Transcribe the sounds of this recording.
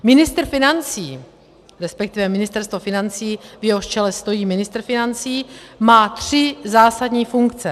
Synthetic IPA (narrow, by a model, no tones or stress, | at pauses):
mɪnɪst̪r̩fɪnant͡siː | ɾɛspɛk̚t̪ɪvɛmɪnɪst̪ɛɾst̪vofɪnant͡siːvjɛɦoʃt͡ʃɛlɛst̪o̞jiːmɪnɪst̪r̩fɪnant͡siːmaːt̪r̝̥ɪzaːsadɲiːfuŋkt͡sɛ